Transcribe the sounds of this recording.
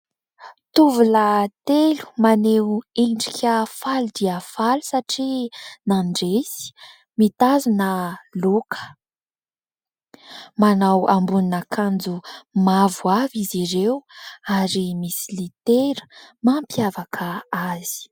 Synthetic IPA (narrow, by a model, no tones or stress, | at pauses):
t̪uvulat̪elu̥maneweɳɖ͡ʐikʲəfalud̪iafalu̥saʈ͡ʂinaɳɖ͡ʐesi̥ | mit̪azunəlukʰə̥ | manawambuninakʰand͡zumavuaviziɾewaɾimisilit̪eɾə̥mampjavakʰəaz̥i̥